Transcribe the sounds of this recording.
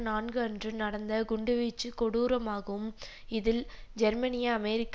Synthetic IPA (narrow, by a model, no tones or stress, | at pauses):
naːnɡɯɐndrɯnɐɽɐnd̪ɐɡʊɳɖɯʋiːt͡ʃːɯkɔɽuːɾɐmaːɣɐɯm | ɪðɪld͡ʒɛɾmɐnɪjɐːmɛɾɪkː